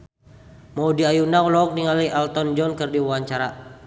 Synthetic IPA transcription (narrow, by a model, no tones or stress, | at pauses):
mɔudiajunaulɔːk̚niŋaliʔalt̪ɔnd͡ʒɔnkɨrdiwaɲt͡ʃaɾa